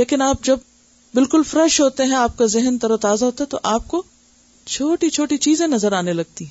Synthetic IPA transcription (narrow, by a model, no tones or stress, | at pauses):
leːkɪnaːp̚d͡ʒɐb | bɪlkʊlfɾɛʃɦoːt̪eɦɛ̃aːp̚kazɪɦɛnt̪ɐɾot̪aːzaɦoːt̪aɦɛ̃t̪o̰ʔaːp̚ko | t͡ʃʰoːʈit͡ʃʰoːʈit͡ʃiːzẽnɐzəɾaːnelɐɡ̚t̪iɦɛ̃